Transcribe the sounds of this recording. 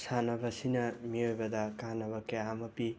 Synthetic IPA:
sanɐbɐsinɐmiojbɐdɐkanːɐβɐkɐjamɐpi

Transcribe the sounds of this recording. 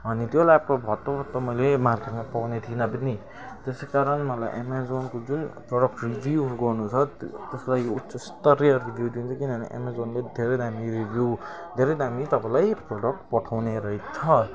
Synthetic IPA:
ɦʌnit̪jolaprobʱʌt̪ːobʱʌt̪ːʌmʌjlemarkeʈmapawnet̪ʰinʌbini | t̪esekaɾʌnmʌla̰jʔḛmazonkod͡zunproɽʌk̚ʈribuɡʌrnut͡sʰʌt̪eslajut͡sʌst̪ʌɾijʌribʱjuwd̪int͡sʰʌkinʌnḭʔḛmazonled̪ʱeɾʌjd̪amiɾibʱju | d̪ʱeɾʌjd̪ʱamit̪ʌpãlajproɽʌk̚ʈ̚pʌʈʰawneɾʌɦit͡sʰʌ

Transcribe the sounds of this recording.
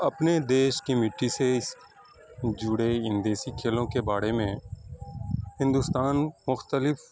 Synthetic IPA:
ɐpned̪eːʃkimɪʈːiseɪs | d͡ʒʊɽeɪ̃nd̪eːsikʰeːlõkebaːɽemẽ | hɪ̃nd̪ʊst̪aːnmʊxt̪əlɪf

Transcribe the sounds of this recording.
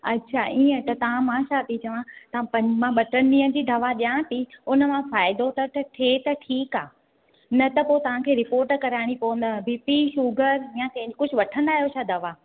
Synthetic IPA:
ɐ̰tːɕʰaʔiːə̃t̪ɐt̪ɐʋ̤ãmãːʃaːt̪it͡ɕɐʋãt̪ɐãpɐ̃ɲmãɓɐʈənɗĩːə̃d͡ʑiːd̪ʱɐʋaɗijãːt̪ʰiʊnəmãfaːɪd̪ot̪ɐʈʈʰeːt̪ɐʈʰiːkaː | nɐt̪ɐpot̪ɐʋ̤ãkʰeːɾɪpoːɾʈkɐɾaːɪɽ̃ipoʋə̃n̆d̪ãbʱiːpiʃuːɡəɾjãkɐ̃ɦɪ̃ɲd͡ʑikʊd͡ʑʱʊʋɐʈʰə̃nd̪aːɦijoʃʰaːd̪ʱɐʋa

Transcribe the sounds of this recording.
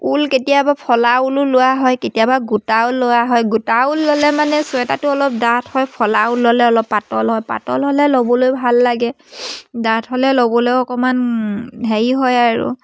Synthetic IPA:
ulketijabapʰɔlaulʊlowaɦɔjketijabaɡutaulːowaɦɔjɡutaulːɔlɛmanɛswɛta̰tʊɔlɔp̚datʰhɔjpʰɔlaulːɔlɛɔlɔpːatɔlɦɔjpa̰tɔlɦɔlɛlobɔlojbʱalːaɡɛ | datʰɦɔlɛlobɔlojɔkɔmandʱaɹiɦɔjaɹṵ

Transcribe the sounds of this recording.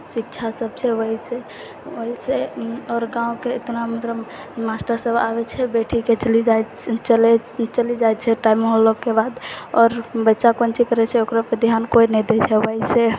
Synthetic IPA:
sik̚t͡ʃʰasəbt͡ʃʰɛwəɦise | əɦiseɔɾɡãũkeːt̪namət̪ɾə | masʈəɾsəbabɛt͡ʃʰɛbeʈʰiket͡ʃəlid͡ʒaj | t͡ʃəlɛt͡ʃəlid͡ʒajt͡ʃʰɛʈaimɦolokːebad̪ɔɾbət͡ʃakont͡ʃʰikəɾɛt͡ʃʰɛokɾapəd̪ijankojnɛd̪ɛt͡ʃʰɛwəɦise

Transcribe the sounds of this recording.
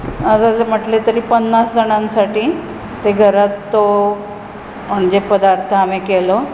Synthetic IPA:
at̪am̤əʈlet̪əɾiːpənːasd͡zəɳ̃ãnsaʈiː | t̪eɡʱəɾat̪ːo | m̤əɳd͡ʑepəd̪aɾt̪ʰəamekelo

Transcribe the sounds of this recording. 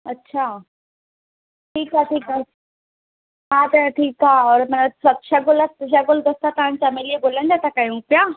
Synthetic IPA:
ɐtːɕʰaː | ʈʰiːkɦaʈʰiːka | ɦat̪ɐʈʰiːkaːɔːɾmɐnsɐt̪ʃɐɡʊləsʃ̬ɐɡʊld̪ɐst̪at̪ɐʋãnt͡ɕamelieɡolə̃nd̪at̪ɐkajũpja

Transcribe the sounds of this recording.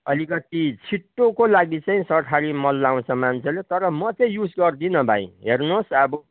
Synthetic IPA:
ʌlikʌt̪it͡sʰiʈːokolaɡit͡sʌĩsʌrʈʰaɾimʌlːaw̃t͡sʰʌmant͡sʰelet̪ʌɾʌmʌt͡sʌĩjud͡zɡʌrd̪inʌbʱã̰ĩɦernosʌbʌ

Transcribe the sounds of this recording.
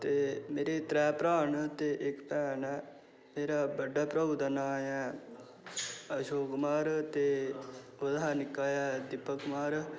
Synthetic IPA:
t̪eːmeːɾeːt̪ɾɛːpɾaːɳt̪eːʔɪkpɛːn | meːɾaːbəɖaːpɾəd̪ənaːjɛ̃ː | əʃoːkmaːɾt̪eː | ʊd̪aːnɪkːaːjaːd̪ɪpːəkmaːɾ

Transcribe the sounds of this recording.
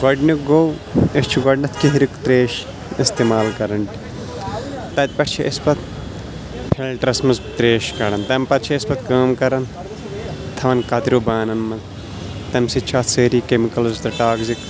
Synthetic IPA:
ɡɔɖnuɡow | est͡ʃʰuɡɔɖnɐt̪ʰkiɦɾikt̪ɾeːʃ | ist̪eːmaːlkɐɾɐɳʈi̥ | t̪ɐt̪̚ʲpɐʈt͡ʃʰeʔispɐt̪ | pʰilʈɾɐsmɐzt̪ɾeːʃkɐɾɐnt̪ɐmpɐt̪t͡ʃʰɐispɐt̪̚kaːmkɐɾɐn | t̪ʰɐʋɐnkɐt̪ɾoːbaːnɐnmɐz | t̪ɐmsit͡ʃʰaːt̪seːɾiːkemikɐlzt̪ɐʈaːɡzik

